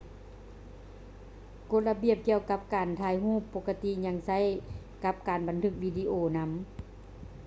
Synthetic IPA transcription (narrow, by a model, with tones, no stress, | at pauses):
ko˧˥t̪̚la˧bi˧˨əp̚ki˧əwka˧˥p̚kaː˨˩nt̪ʰaː˧˥jɦũː˥˩˨pːo˧ka˧t̪i˧˥ɲa˧˥ŋsa˧˥˨j | ka˧˥p̚kaː˨˩nba˨˩nt̪ʰɯ˧˥k̚wiː˧˩di˧ʔoː˧˩na˧˦˥m